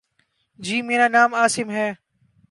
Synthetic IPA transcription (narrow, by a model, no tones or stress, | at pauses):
d͡ʑiːmeːɾaːnaːmaːsɪmɦɛː